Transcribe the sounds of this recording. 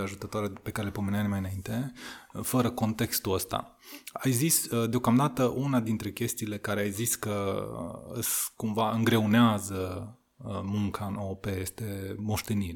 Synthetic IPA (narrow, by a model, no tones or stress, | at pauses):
eaʒut̪ət̪oaɾepe̞kaɾelepomeneajnmajɨnaint̪e̞fəɾəko̞nt̪e̞kst̪uəst̪a̰ | ajzisd̪eo̞kamd̪at̪əʔunad̪int̪ɾe̞kʲe̞st̪iːle̞kaɾe̞ajziskə | ɨ̰skumvaɨŋɡɾe̞uneazə | muŋkʰaɨnope̞je̞st̪e̞mo̞ʃt̪e̞nil